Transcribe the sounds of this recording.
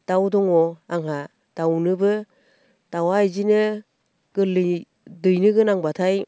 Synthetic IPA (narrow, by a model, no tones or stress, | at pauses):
d̥awdɔŋɔaŋɦa | d̥awnɯbɯ | d̥awajd͡ʒinɯ | ɡɯl | dɯjnɯɡɯnaŋbatʰaj